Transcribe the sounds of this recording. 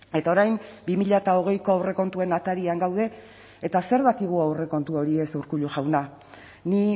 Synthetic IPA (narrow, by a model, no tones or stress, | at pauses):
e̞t̪ao̞ɾajmbimiʎat̪ao̞ɣ̞ejko̞awre̞ko̞nt̪ue̞nat̪aɾiaŋɡawð̞e̞ː | t̪ase̞ɾβat̪iɣ̞uawre̞ko̞nt̪uo̞ɾie̞suwɾkuʎuʝawna | ni